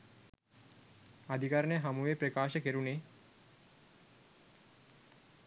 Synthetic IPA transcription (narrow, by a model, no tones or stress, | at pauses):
ad̪ʱikaɾənejəɦamuʋepɾekaːʃəkeɾune